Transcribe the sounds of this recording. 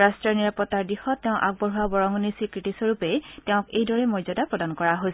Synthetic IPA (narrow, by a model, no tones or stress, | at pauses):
ɹastɹɔɹniɹapɔtːaɹdixɔtːɛʊ̃ʔa̰ɡ̚bɔɹɦuabɔɹɔŋɔnisikɹitisɔɹupɛtɛʊ̃kejdɔɹɛmɔjzɔdapɹɔdankɔɹaɦojs